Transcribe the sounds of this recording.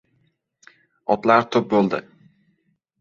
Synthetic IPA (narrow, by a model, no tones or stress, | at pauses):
ɒt̪laɾt̪ʰɵp̚bolˠd̪ɪ